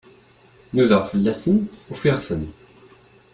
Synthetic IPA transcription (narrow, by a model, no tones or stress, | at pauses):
nuðəʁfəlːæsənufiʁθən